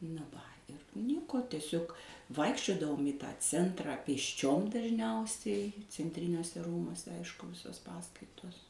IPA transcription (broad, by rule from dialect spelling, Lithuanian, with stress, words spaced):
nɐ ˈʋɐ ɪr ˈnʲiɛkoː tʲɛˈsʲoːk ˈʋɐɪkʃʲt͡ʃʲoːdɐʋoːm iː ˈtɑː ˈt͡sʲɛntrɑː pʲeːsʲˈt͡ʃʲoːm dɐˈʒʲnʲɛʊsʲɛɪ t͡sʲɛnʲˈtʲrʲɪnʲuɔsʲɛ ˈruːmuɔsʲɛ ˈɐɪʃkʊ ˈʋʲɪsoːs ˈpɑːskɐɪtoːs